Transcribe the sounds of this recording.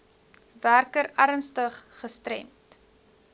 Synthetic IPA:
værkəɾæɾənstəχːəstɾɛ̰mt

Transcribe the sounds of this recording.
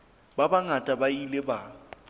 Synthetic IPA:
babaŋatʼabaileba

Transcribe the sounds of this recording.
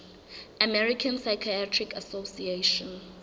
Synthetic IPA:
amɛɹikʰãnsajkʰiatʰɹikʰasosieʃɔ̃n

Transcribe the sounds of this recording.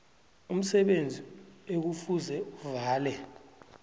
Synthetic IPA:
um̩sɛɓend͡zʱiek̬ufuzɛuvaːlɛ

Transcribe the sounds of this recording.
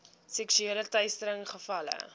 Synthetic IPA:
sɛksyeːlətœjstəɾəŋχəfɐlə̰

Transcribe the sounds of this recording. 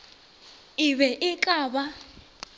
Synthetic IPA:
iβɛʔikʼaːɓa

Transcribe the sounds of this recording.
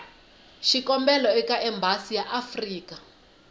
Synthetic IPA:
ʃikɔmbɛlɔɛkaʔɛmbasijaʔafriːka

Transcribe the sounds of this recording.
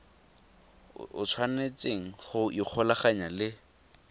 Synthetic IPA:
ʊ̰t͡sʰwanet͡seŋ̩χʊik͡xʰɔlaχaɲalɪ

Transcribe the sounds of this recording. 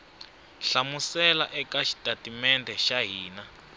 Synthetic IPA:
ɬamusɛlaʔɛkaʃi̥tʼatimɛndʱɛʃaɦiːna

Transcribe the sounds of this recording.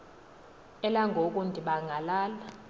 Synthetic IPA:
ɛlaŋʱok̬ʼundʱiɓaŋʱalaːla

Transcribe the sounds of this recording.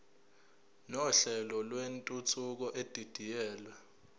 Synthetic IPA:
nɔɬɛlɔlwentʼut͡sʰuk̬ɔʔed̥ʱid̥ʱijɛːla

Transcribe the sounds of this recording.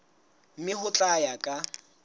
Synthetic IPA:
m̩mɪhʊt͡ɬʼajakʼa

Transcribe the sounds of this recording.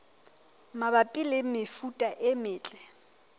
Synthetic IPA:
mabapʼilɪmɪfutʼaʔɪmɪːt͡ɬʼɛ

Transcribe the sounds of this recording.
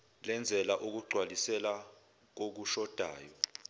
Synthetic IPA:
lɛnd͡zʱɛlaʔuk̬uɡ͡ǀʱwalisɛla | k̬ok̬uʃɔd̥ʱaːjɔ

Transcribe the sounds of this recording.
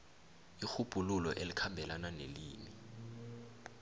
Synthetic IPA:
ixub̥ʱululɔʔelikʰambʱɛlananeliːmi

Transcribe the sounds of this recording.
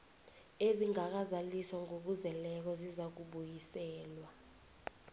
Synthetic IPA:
eziŋak̬azalisɔŋok̬uzɛlɛk̬ɔzizak̬uɓujisɛːlwa

